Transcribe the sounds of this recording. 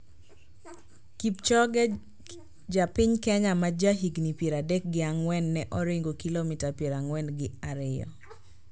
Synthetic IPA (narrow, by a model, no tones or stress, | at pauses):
kip̚t͡ʃɔɡɛ | d͡ʒapɪɲkɛɲamad͡ʒaɦiɡnipjeɾadɛk̚ɡɪaŋwɛnːɛʔɔɾɪŋɡokilomitapjeɾaŋwɛnɡɪaɾɪɔ̰